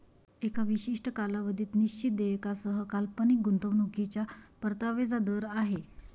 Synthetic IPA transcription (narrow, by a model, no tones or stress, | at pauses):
ekaʋiɕiʂʈəkalaʋəd̪ʱiːt̪niɕt͡ɕit̪̚d̪eʋkasəɦəkalpənik̚ɡunt̪əʋnukʰit͡ɕjapəɾt̪aʋed͡zad̪əɾaɦe